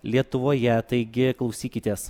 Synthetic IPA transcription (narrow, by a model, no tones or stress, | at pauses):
lʲiɛt̪ʊʋoːjɛt̪ɐɪɡʲɪklˠɐʊsʲiːkʲɪt̪ʲeːs